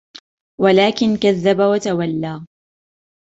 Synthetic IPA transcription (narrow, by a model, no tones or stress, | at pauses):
walaːkɪnkaðːabawat̪awalːaː